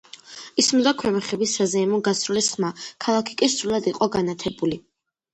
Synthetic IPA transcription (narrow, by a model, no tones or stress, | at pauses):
ismd̪akʰwɛmɛχɛbisːazɛːmɔɡasɾulisχmakʰalˠakʰi̥kʼisɾulad̪iqʼɔɡanat̪ʰɛbuli